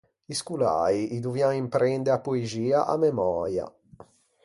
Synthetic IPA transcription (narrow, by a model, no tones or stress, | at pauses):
iskula̰ːiʔid̪uvjaimpɾʔɛnd̪eapːueziːaʔa̰mːɛmɔːɾja̰